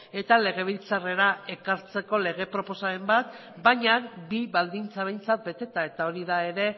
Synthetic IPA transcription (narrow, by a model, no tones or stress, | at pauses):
e̞t̪ale̞ɣ̞e̞β̞ilt͡sare̞ɾae̞kaɾt͡se̞ko̞le̞ɣ̞e̞pɾo̞po̞saembat̪ | bajɲakbiβald̪int͡saβ̞e̞jnt͡sat̪̚be̞t̪e̞t̪ae̞t̪ao̞ɾiðae̞ɾe̞